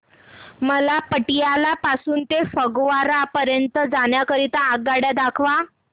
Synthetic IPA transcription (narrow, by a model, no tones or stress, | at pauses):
məlapəʈijalapasuːnt̪efəɡʋaɾapəɾjənt̪əd͡zaɳjakəɾit̪əaɡ̚ɡaɽjad̪akʰʋa